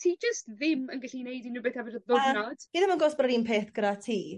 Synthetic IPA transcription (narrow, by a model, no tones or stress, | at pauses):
tʰiːd͡ʒəstðɪmənɡaɬinejdinuːbeːθhɛvɪdðʊnɔd̥ɡ̥ɪdamaɡoːsb̥raɾinpʰeːθɡ̥əɾatʰiː